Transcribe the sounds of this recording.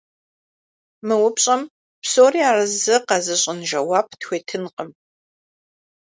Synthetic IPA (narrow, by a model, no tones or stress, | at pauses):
mɨwʊpɕʼɐm | psoːriaːrɐzɐqɐzɐɕʼɪnʒɐwaːp̚ʰtxʷeːtʰɨnqəm